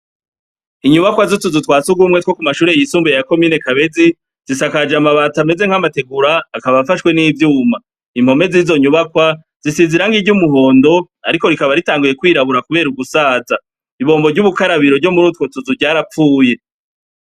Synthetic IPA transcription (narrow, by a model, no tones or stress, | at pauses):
iɲuβakwazutuzutwaːt͡suɡumŋe̞two̞kumaʃuːɾejisuːmbujejako̞miːne̞kaβe̞zi | z̥isakad͡ʒamaβat͡same̞ze̞ŋ̥amate̞ɡuɾaːkaβaβfaʃkwe̞niːvjuːma | imho̞me̞ziːzo̞ɲuβakwa | zisiziɾaŋɡiɟumuɦo̞ːndo̞ | a̰ɾiko̞ɾikaβaɾitaːŋɡuje̞kwiːɾaβuɾakuβe̞ːɾuɡusaːza | iβo̞ːmbo̞ɟuβukaɾaβiɾo̞vɟo̞muɾutko̞tuzuɾɟaːɾap͡fuːje̞